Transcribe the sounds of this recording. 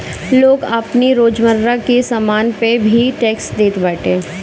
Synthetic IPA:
loːɡɐpniɾoːd͡ʒməɾɾakesamaːnpebʱiʈeːksd̪eːt̪bɛːʈẽː

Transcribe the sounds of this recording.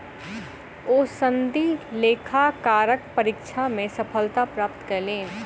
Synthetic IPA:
oːsə̃nd̪ileːkʰakaːɾək̚pɐɾɪːkʃʰamẽsɐpʰəlt̪apɾaːp̚t̪kɐɾleːn

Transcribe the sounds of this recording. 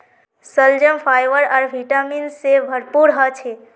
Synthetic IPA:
səld͡ʒəmpʰajʋəɾaːɾbʱiʈaminsebʱəɾpuɾɦət͡ʃʰe

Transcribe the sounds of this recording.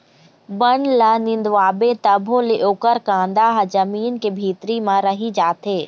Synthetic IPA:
bɐnlanɪ̃nd̪ʋaːbet̪ɐbʱoleʔoːkəɾkãːnd̪aːɦzɐmiːnkebʱiːt̪ɾimãɾɐɦid͡ʒaːt̪ʰeː

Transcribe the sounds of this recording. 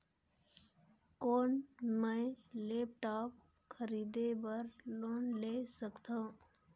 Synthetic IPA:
koːnmə̃leːp̚ʈaːp̚ | kʰəɾiːd̪ebəɾloːnleːsəkt̪ã

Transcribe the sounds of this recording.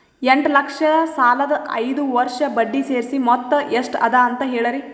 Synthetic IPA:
eɳʈlɐkʂɐd̪ɐsaːlɐd̪ɐʔɐjd̪uʋɐɾʂɐbɐɖːiseːɾsimɔt̪ːɐeʂʈɐ̰d̪aːnt̪ɐɦeːɭɐɾi

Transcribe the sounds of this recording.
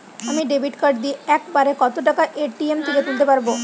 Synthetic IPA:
amiːɖebʱiʈkəɖd̪iːɛkbaɾekɔt̪oʈəkaʔeʈiemt̪ʰiɡʱet̪iːlt̪̬ebaɾbo

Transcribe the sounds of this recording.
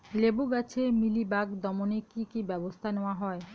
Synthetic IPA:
lebuɡat͡ɕʰemilibaɡd̪ɔmonekikibɛbost̪ʰaneoaɦɔe

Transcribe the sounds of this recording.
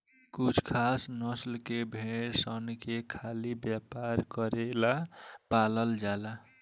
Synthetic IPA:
kut͡ʃʰkʰasnʌslkebʱeɽsʌnkekʰalibjapaɾkʌɾelapalʌld͡ʒala

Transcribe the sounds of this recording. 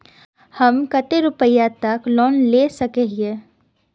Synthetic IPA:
hɐmkət̪eɾʊpəjat̪ɐklɔːnleːsɐkeɦe

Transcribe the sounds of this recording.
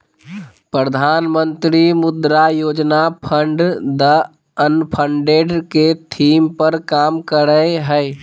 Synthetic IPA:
pɾəd̪ʱaːnmənt̪ɾimʊd̪ɾajoːd͡ʒnapʰəɳɖd̪ə | ənpʰəɳɖeɖket̪ʰimpəɾkaːmkəɾəeɦəj

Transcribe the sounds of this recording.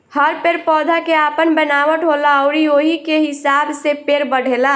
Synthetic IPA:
həɾpeɾpɔːd̪ʱakeaːpənbənaːwəʈɦolaɔʊɾioɦikeɦɪsaːbsepeɾbəɽ̤ʱeːla

